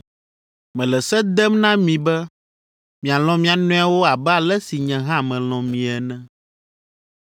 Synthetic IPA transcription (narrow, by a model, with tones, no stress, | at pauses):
mɛ̃˨lɛ˨sɛ˦d̪ɛ˦mnã˦mĩ˨bɛ˦ | mĩ˨a˨l̃ɔ̃˨mĩ˨a˨nɔ̃˦a˦wo˦a˨bɛ˦a˨lɛ˦si˨ɲɛ̃˨ɦã˦˨mɛ̃˨l̃ɔ̃˨mĩ˨ɛ˨nɛ̃˦